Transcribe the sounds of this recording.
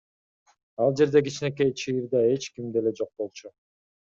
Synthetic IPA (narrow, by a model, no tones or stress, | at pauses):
ɑlˠd͡ʒe̞ɾd̪e̞k̬it͡ʃne̞k̬e̞jt͡ʃʰijiɾd̪ɑe̞t͡ʃkimd̪e̞le̞d͡ʒo̞q̚bo̞lˠt͡ʃu